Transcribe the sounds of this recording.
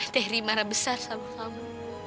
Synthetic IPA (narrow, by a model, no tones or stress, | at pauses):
t̪ɛhɾimaɾabəsarsamakamu